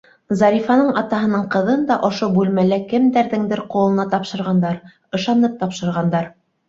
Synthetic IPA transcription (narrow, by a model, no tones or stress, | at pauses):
zɑɾʲifɑnɤɴɑt̪ɑɦɤ̆nɤɴqɤ̆ðɤnd̪ɑʔŏʃobʉlmælækɘmd̪æɾðɘŋd̪ɘɾqulˠɤ̆nɑt̪ɑpʃɤ̆ɾʁɑnd̪ɑɾ | ɤ̆ʃɑnɤp̚t̪ɑpʃɤ̆ɾʁɑnd̪ɑɾ